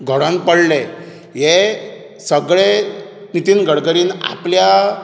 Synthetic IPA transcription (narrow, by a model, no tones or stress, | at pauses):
ɡʱəɽə̃npəɽle | ɦe | səɡɭenit̪iːnɡʱəɽɡəɾiːna̰plja